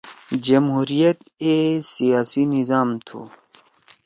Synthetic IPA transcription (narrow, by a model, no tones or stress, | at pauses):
d͡ʑɐmɦuːɾijɐt̪ | esijaːsinizaːmt̪ʰṵː